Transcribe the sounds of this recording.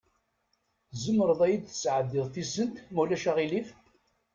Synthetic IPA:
zəmːəɾəðˤæjid̪θə̥sʕəðːɪðˤθisənt̪mulæʃæʁilif

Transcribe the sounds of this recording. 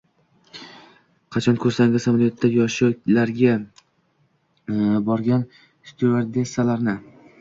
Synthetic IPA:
qʰɑt͡ʃʰɒnkʲʰɵɾsaŋɡʲɪzamalijot̪ʰːajɒʃʊkʲlaɾɡʲa | bɒɾɡʲan | st̪ʰueɾd̪esalaɾnɪ

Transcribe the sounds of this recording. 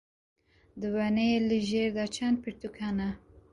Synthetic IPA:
d̪əwaneeləʒeɾd̪at͡ʃʰand̪̚piɾt̪ukʰana

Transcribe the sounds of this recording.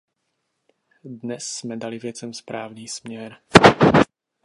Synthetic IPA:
d̪ɲɛsːmɛd̪aliʋɪɛt͡sɛmspɾa̰ːʊniːsmɲɛɾ

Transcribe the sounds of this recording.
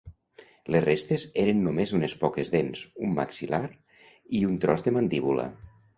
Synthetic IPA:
lezrest̪ezeɾenːumezunespɔkezðenzumːa̰ksilaɾ | iunt̪ɾɔzðəmand̪iβulə̰

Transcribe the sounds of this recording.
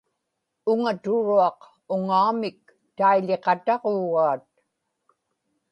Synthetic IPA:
ʊŋat̪ʊɻuɑq | ʊŋaumɪk̚ | t̪aiʎeqɑt̪ɑʁoːɣaːt̪̚

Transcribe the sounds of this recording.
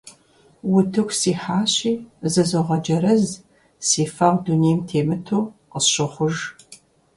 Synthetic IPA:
wʊtʰɨxʷsiːħaːɕiːzɨzoʁɐd͡ʒɐɾɐz | siːfɐʁʷduneːjmtʰeːmɨtʰoːqəsɕɪχʷʊʒ

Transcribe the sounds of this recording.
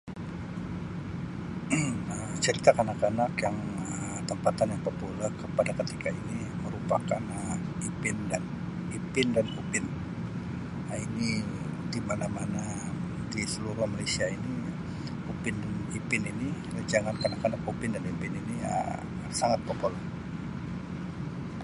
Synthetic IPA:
ət͡ʃəɾit̪akanakanakjaŋəə | t̪əmpat̪anjaŋpəpulakəpadakət̪ikʰaini | məɾupakanəipɪndan | ipɪndankupɪn | aini | dimanamana | disəluɾʊhmalesiaini | kupɪndanipɪnini | d͡ʒaŋankanakanakupɪndanipɪniniə̰ | saŋat̪̚pəpola

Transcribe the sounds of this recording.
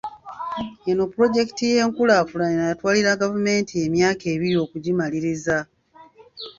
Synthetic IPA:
eno̞puɾo̞ɟe̞ki̥tije̞ːŋkulaːfulaninajatwaːliɾaɡavume̞ːntie̞mjaːke̞ːβiɾio̞ːkuɟimaliɾiza

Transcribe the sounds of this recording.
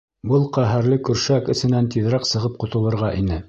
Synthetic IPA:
bɤlˠqæɦæɾlɘkɵ̆ɾʃækɘ̆sɘ̆nænt̪iðɾɑqsɤ̆ʁɤp̚qŏt̪ɤ̆lˠɤ̆ɾʁɑʔinɘ

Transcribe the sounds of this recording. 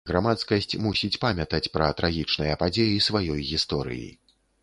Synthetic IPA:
ɣɾamat̪skɐsʲt͡sʲmusʲit͡sʲpamʲɐt̪ɐt͡sʲpɾɐt̪ɾʔaɣʲit͡ʂnɨjɐpad͡zʲejisvajɔjɣʲist̪ɔɾɨ̰jḭ

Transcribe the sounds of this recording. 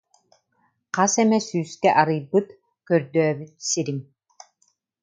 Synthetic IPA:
qɑsɛmɛsyːskɛʔaɾɯjbɯt̪ | kœɾd̪œːβyt̪siɾim

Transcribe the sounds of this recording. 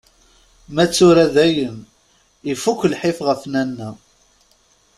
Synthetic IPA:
mæt͡sːʊɾæðæjən | ifukʷːlħɪfʁəfnænːæ

